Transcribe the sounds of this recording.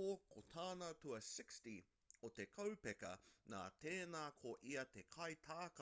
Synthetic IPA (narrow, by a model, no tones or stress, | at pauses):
okʰot̪ʰaːnatuɐsɪksti | ot̪ekʰɐwpɛkɐ̰na̰ːt̪eːnaːkʰoʔiɐt̪ekʰɐjt̪ʰaːk